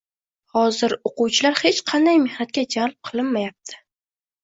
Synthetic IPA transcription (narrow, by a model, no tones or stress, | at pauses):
hɒzɪɾoqʊwt͡ʃʰɪlaɾhet͡ʃqʰɑnd̪ajme̞hnat̪̚kʲad͡ʒalˠp̚qʰɨlˠɪnmajap̚t̪ʰɪ̥